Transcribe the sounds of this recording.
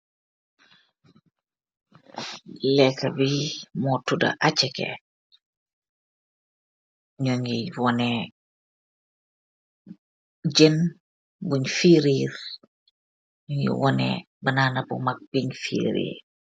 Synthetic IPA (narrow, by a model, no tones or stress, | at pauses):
lɛkːɐbimɔtudɐ̰ʔat͡ʃːɛkɛ̰ | ɲɔŋɡiwɔnɛ | ɟɛn | buɲfiːɾiːr | ɲuŋɡḭwɔnɛ̰ | bɐnaːnɐbumak̚b̥iɲfḭːɾḭːr